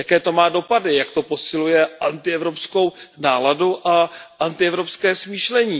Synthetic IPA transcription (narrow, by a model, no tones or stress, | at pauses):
jakɛːt̪o̞maːdo̞padɪjakt̪o̞po̞sɪlujɛʔant̪ɪɛvɾo̞psko̞wnaːladuʔaʔant̪ɪɛvɾo̞pskɛːsmiːʃlɛɲiː